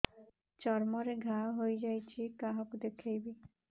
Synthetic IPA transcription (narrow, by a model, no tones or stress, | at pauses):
t͡ɕɔɾmɔɾeɡʱaɦojd͡ʑajt͡ɕʰikaɦokd̪ekʰejbi